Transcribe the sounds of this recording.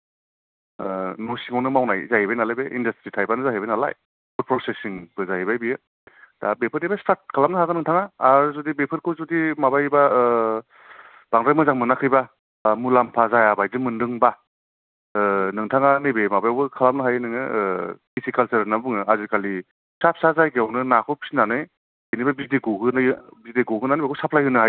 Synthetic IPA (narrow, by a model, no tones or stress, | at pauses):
nɔsiŋɔnɯmawnajzaɦibajnalajbeʔindastɾitʰajbanɯzaɦibajnala̰j | but̚pʰɾɔsesiŋb̥ɯzaɦibajbijɯ | dabepʰɯtejbastat̚kʰalap̚nɯɦaɡɯnɯŋtʰaŋaːɾzɔdibepʰɯɾkʰɯzɔdimabajba | b̥aŋɾajmɯzaŋmɯnakʰɯjba | mulampʰazajabajzɯmɯndɯŋba | nɯŋtʰaŋanɯjbemabajbɯkʰalamnɯɦajɯnɯŋɯpisikalseɾnabɯŋɯazikali | sap̚sazajɡewnɯnakʰɔwpʰi̥sinanɯj | ejnibabizdiɡuɦɯnɯjbizdeɡuɦɯnanijbakʰɔwsapʰlajɦɯnɯɦaj